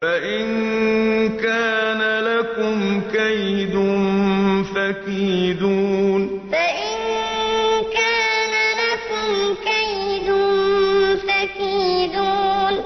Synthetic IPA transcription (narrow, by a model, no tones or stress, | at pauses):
faʔɪn | kaːnalakʊmkajd̪ʊnnfakiːd̪uːn | faʔɪn | kaːnalakʊmkajd̪ʊnfakiːd̪uːn